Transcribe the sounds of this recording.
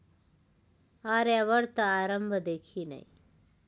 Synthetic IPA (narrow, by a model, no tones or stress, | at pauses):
aːɾeɐʋɐɾt̪ɐaːɾɐmbʱɐd̪eːkʰiːnɐ̰j